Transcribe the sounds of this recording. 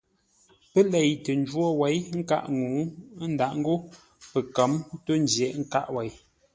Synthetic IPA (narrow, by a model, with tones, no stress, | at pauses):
pə˦lɛ˨jtə˨n˦d͡ʒwɔ˦˨wɛ˨˦jŋ̩˦ka̰˦˨ʔŋu˨˦n̩˦da˨ʔŋ̩˦ɡo˦ | pə˨kə˨˦mto˦n̩˦d͡ʒjɛ˨ʔŋ̩˦ka̰˦ʔwɛ˨˦j